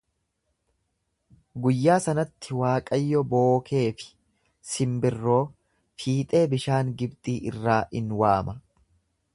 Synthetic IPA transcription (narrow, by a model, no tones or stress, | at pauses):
ɡʊjːaːsɐnɐt̪ʰːɪwaːkʼɐjːɔbo̞ːkʰe̞ːfɪ̥ | sɪmbɪrːo̞ː | fiːt̪ʼe̞ːbɪʃaːŋɡɪbt̪ʼiːʔɪ̰rːaːɪnwaːmɐ